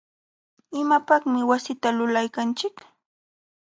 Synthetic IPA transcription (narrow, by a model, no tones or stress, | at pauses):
ɪmapɑχmɪwasɪt̪alʊlajkant͡ʃɪk